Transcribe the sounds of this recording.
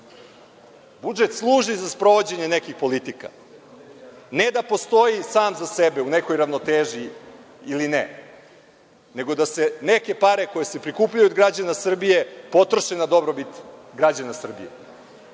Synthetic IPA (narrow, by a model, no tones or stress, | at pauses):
bud͡ʒet̪slˠuːʒizaspɾoʋo̞d͡ʑe̞ɲenekixpo̞lit̪ika̰ | ned̪apo̞st̪o̞jisaːmzasebe̞une̞ko̞jɾaʋno̞t̪eːʒi | iline | ne̞ɡo̞d̪ase̞neke̞paɾe̞ko̞je̞se̞pɾikuːpʎajuod̪ɡɾad͡ʑanasr̩bije̞po̞t̪ɾoʃenad̪o̞bɾo̞bit̪ɡɾad͡ʑanasr̩bḭjḛ